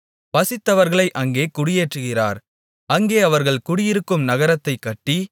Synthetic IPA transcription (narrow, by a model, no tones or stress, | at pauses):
pɐsɪt̪ːɐʋɐɾɣɐɭɐɪʔɐŋɡeːkʊɽɪjeːʈrɯɣɪra̰ːɾ | ɐŋɡeːɐʋɐɾɣɐɭkʊɽɪjɪɾɯkːɯmnɐɣɐɾɐt̪ːɐɪkːɐʈːi